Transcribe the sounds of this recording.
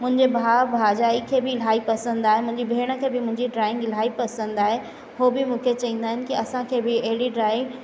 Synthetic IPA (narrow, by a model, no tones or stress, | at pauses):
mʊ̃ɦɪ̃ɲd͡ʑebʱaːbʱaːd͡ʑaːikʰeːbɪl̤aːipɐsə̃nd̪aːɦemʊ̃ɦɪ̃ɲd͡ʑibʱeːɽ̃ə̆kʰeːbɪmʊ̃ɦɪ̃ɲd͡ʑiɖɾaːɪ̃ŋɡl̤aːipɐsə̃nd̪aːɦe | ɦoːbɪmũːkʰet͡ɕɐʋĩːn̆d̪aːɦɪnɪ̆kiɐsãkʰeːbɪɐɦɪɽiɖɾaːɪ̃ŋɡ